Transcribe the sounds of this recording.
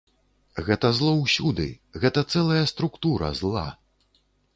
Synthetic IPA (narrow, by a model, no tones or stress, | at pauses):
ɣɛt̪ɐzlˠɔwsʲud̪ɨ̰ɣɛt̪ɐt̪sɛlˠɐjɐst̪ɾukt̪uɾɐ̰zlˠa̰